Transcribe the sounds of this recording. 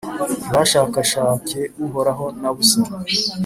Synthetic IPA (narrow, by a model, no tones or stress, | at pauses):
βaʃaːkaʃaːceuɦoɾaɦo̞naβusiɾ